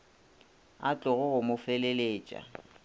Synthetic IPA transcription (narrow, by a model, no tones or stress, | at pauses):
at͡ɬʼʊɣʊɣʊmʊfeleleːt͡ʃʼa̰